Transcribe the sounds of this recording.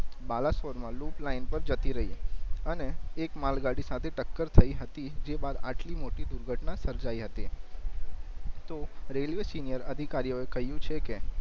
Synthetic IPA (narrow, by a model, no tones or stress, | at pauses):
balasoɾmãluplainpəɾd͡ʒət̪iɾəɦiəneːkmalɡaɽisat̪ʰeʈəkːəɾt̪ʰəiɦət̪id͡ʒebad̪aʈlimoʈid̪uɾɡʱəʈnãsəɾd͡ʒaiɦət̪i | t̪oɾelʋesinijəɾəd̪ʱikaɾijoekəɦjũt͡ʃʰeke